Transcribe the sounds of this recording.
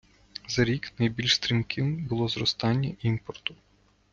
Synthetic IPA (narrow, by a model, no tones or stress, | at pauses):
zɐɾʲiknɐjbʲilʲʃst̪ɾʲimkɪwbʊlˠɔzɾɔst̪ɑnʲːɐʔimpɔrt̪ʊ